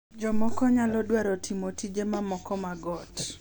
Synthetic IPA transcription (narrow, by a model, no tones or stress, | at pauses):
d͡ʒɔmɔkɔɲalɔdwaɾɔtʰimotid͡ʒemamɔkɔmaɡɔt